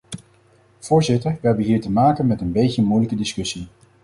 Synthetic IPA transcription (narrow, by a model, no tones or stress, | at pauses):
v̥ʊːɹzɪtəɹʋəɦɛbəɦiːɹtəmaːkənmɛtənbejtəmujləkədɪskɵsi